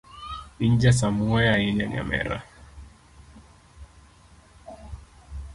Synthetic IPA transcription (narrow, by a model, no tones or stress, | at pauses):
iɲd͡ʒɛs̬amuɛjainɛna̰mɛ̰ɾa̰